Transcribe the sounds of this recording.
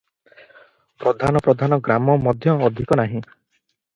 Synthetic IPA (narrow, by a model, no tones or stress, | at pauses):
pɾɔd̪ʱanɔpɾɔd̪ʱanɔɡɾamɔmɔd̪ʱjɔːd̪ʱikɔnaɦĩ